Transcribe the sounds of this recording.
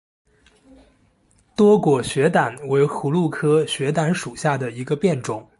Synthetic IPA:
t̪wɔ˥kwɔ˨˩ɕɥɛ˧˥t̪a˨˩nwe˧˥ɪxu˧˥lu˥˩kʰɤ˥ɕɥɛ˧˥t̪a˧˥nʂu˨˩ɕja˥˩d̪ə˩i˧˥ɡə˧pjɛ˥˩nʈ͡ʂʊ˨˩˦ŋ

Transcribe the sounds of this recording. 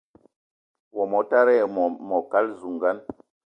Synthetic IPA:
wɔ˨mɔ˨ta˦ɾɛ˦˨ɔ˨mɔ˨ka˦lzu˨ŋɡa˦n

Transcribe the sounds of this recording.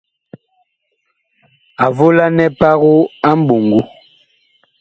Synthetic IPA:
a˨vo˦la˦nɛ˦pa˦ɣu˦a˦m̩˦bu˨ŋɡu˦

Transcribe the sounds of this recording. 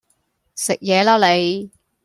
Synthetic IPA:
sɪ˨k̚jɛː˨˧laː˥le˨˧j

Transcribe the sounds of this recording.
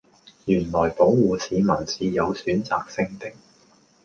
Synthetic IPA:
jyː˨˩nlɔː˨˩jpo˨˥wwuː˨˧siː˨˧mɐ˨˩nsiː˨˧jɐ˨˧wsyː˨˥nt͡sa̰ː˨k̚sɪ˥ŋt̪ɪ˥k̚

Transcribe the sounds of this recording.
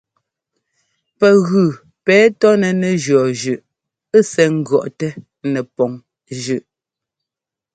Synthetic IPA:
pɛ˨ɣʉ˨ | pɛː˨˦tɔ˦nɛ˨nɛ˨d͡ʒɰɔ˨ʒʉ˨ʔ | e˦sɛ˨ŋ̩˦ɡɰɔ˨ʔtɛ˦ | nɛ˨pɔ˨ŋ | ʒʉ˨ʔ

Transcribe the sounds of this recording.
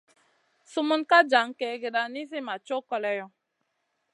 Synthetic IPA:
su˦mu˦nka˦d͡ʒa˨˦ŋ˦kɛ˨ɡe˨da˨ni˦s̬i˦ma˨t͡ʃo˦kɔ˨lɛ˦jɔ˦

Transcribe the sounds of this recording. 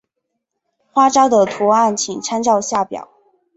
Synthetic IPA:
xwa˥ʈ͡ʂɑ˥ʊd̪ə˨t̪ʰu˧˥a˥˩nt͡ɕʰi˨˩ŋʈ͡ʂʰa˥nʈ͡ʂɑ˥˧ʊɕja˥˩pjɑ̰˨˩˦ʊ

